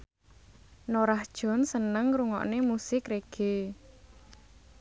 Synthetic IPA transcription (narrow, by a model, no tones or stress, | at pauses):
noɾahd̥ʒ̥ɔ̤nsənəŋɾuŋɔ̰ʔnemusɪkreɡ̥e̤